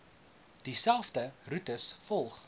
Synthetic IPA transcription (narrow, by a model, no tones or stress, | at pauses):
d̥isælˠfdərutəsfɔlˠχ